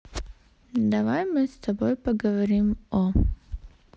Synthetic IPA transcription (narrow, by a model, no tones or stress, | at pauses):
d̪ɐʋajmɨst̪ɐbojpɐɡɐʋɐɾimɔ